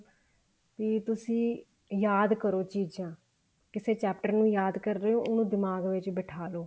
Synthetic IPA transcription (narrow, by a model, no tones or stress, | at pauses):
piːt̪ʊsĩː | jaːd̪kəɾoːt͡ʃiːd͡ʒãː | kɪseːt͡ʃɛːp̚ʈəɾnũːjaːd̪kəɾːeːoːʔʊnũːd̪ɪmaːɡʋɪt͡ʃbɪʈʰaːloː